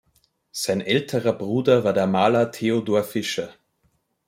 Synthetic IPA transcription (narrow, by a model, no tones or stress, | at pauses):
z̥aɪnʔɛltʰəʁɐbʁuːdɐvaːɐdeːɐmaːlatʰeodoːɐfɪʃɐ